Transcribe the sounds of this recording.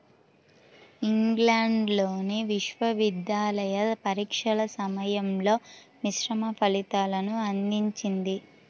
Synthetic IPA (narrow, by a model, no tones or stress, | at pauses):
iŋɡlaːɳɖloːneʋiʃʋɐʋid̪jaːlɐjɐpɐɾiːkʂɐɭɐsɐmɐjɐmlo̞ː | miʃɾɐmɐpʰɐlit̪aːlɐnuɐnd̪iɲt͡ʃind̪i